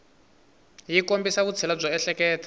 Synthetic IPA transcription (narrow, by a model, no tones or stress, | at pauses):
jikombisaβut͡sʰɛlab͡ʐɔɛɬɛkɛːtʰḁ